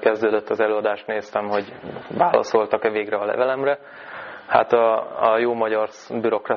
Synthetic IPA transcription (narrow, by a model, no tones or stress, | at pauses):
kɛzd̪øːd̪øt̪ːɒzɛløːɒd̪aːʃt̪neːst̪ɛmɦo̞ɟvaːlɒ̰so̞lt̪ɒkɛveːɡrɛɒlɛ̰vɛlɛmrɛ | ha̰t̪ɒɒjoːmɒɟɒr | byɾo̞krɒ